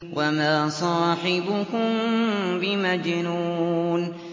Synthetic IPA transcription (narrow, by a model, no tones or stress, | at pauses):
wʔamaːsˤɑːħɪbʊkʊmbɪmad͡ʒɪnun